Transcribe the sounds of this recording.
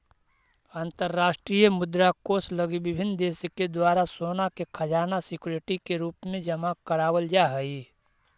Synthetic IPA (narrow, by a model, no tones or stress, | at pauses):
aːnt̪əɾːaːʃʈɾijəmʊd̪ɾakoːsləɡibɪbʱɪnd̪eːsked̪waːɾasoːnakekʰɐd͡ʒaːnasɪkuːɾeʈikeɾuːpmẽd͡ʒəmakəɾaːwəld͡ʒaːɦəi